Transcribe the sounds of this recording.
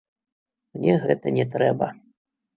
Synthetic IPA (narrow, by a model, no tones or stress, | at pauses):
mnʲɛɣɛt̪ɐnʲɛt̪ɾɛbɐ